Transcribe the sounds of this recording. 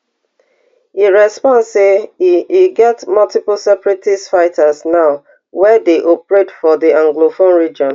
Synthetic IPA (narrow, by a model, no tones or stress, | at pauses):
iɹɛspɔ̃nseiɡɛtmʌltipl̩sɛpɹitisfaɪtasnaʊ | wɛdeʔopɹetfɔdiãŋɡlofõnɹid͡ʒɔ̃n